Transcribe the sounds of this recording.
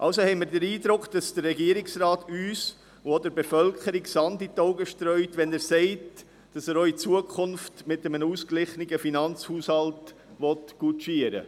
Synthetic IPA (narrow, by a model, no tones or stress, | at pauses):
ʔɑlsohɛɪmɪɾdəɾiːdɾʊkχd̥ɑsd̥əɾːɛɡiəɾɪksɾaːtyːs | ɔdəɾbɛfœlkχəɾiksɑnditɔʊɡəʃtɾœʏtʋɛnæːɾsɛɪt | d̥ɑsæːɾɔʏit͡suəkʰχʊnftmɪtəmənuːsklɪχnəɡəfinɑnt͡shuːshɑlt | ʋɔtɡ̥ut͡ʃiəɾə̰